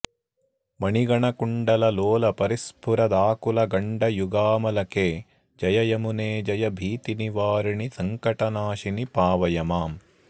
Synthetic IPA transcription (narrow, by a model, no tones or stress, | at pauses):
mɐɳiɡɐɳɐkuɳɖɐlɐloːlɐpɐɾispʰuɾɐd̪aːkulɐɡɐɳɖɐjuɡaːmɐlɐkeː | d͡ʒɐjɐjɐmuneːd͡ʒɐjɐbʱiːt̪iniʋaːɾiɳisɐŋkɐʈɐnaːʃinipaːʋɐjɐmaːm